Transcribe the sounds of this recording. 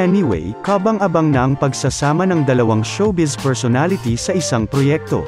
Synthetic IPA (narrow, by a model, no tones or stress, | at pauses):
ɛniwɛ̰jkabɐŋʔɐbɐŋnɐʔɐŋpɐɡsɐsaːmɐnɐŋd̪ɐlɐwaŋʃowbispɛɹsonalɪt̪isɐʔɪsaŋpɾojɛk̚t̪o̞̰